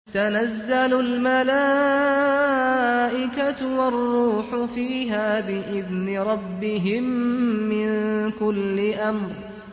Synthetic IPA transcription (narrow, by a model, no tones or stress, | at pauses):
t̪anazːalʊlmalaː | ʔɪkat̪wɑrˤːuːħʊfiːɦaːbɪʔɪðnɪɾˤɑbːɪɦɪmːɪnkʊlːɪʔamɾ